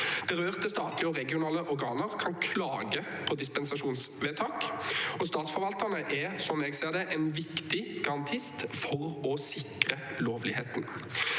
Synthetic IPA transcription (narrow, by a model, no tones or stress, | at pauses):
b̪̥ɛʁøːʁt̪əst̪ɑːt̪ʰlɪəɔʁɛɡɪʊnɑːləʔɔʁɡɑːnəʁkʰɑnkʰlɑːɡə | pʰɔd̪ɪspɛnsɑʃuːnsʋeːt̪ʰɑːkɔst̪ɑːt̪sfɔɾʋɑlt̪əʁnəʔɛsɔmɛːɡseːʁd̪ɛʔɛnʋɪkt̪ɪɡ̥ɑʁɑnt̪ʰɪst̪fɔʁɔsɪkʁə | loːʋlɪheːt̪n̩